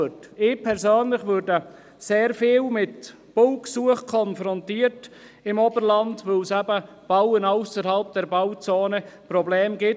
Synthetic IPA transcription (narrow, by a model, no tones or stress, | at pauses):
tɪpʰɛɾsøːnlɪχʋøɾdə | seːɾfeːlmɪt | b̥ʊwksuəχkʰɔnfɾɔntiːərt | ɪmɔbəɾlɑntʋølsæbə | b̥awənaʊsəɾhɑlp̚d̥ɛɾbaʊt͡soːnəpɾɔbleːmɡɪ